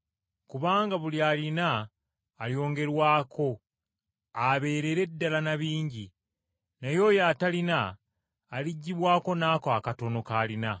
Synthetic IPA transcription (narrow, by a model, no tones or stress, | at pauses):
kuβaːŋɡaβulialinaː | ljo̞ːŋɡe̞ɾwaːkʰo̞ | aβe̞ːɾe̞ɾe̞dːalanaβiːɲɟi | najo̞jatalinaː | liɟːiβwaːko̞naːkakato̞no̞kaːlina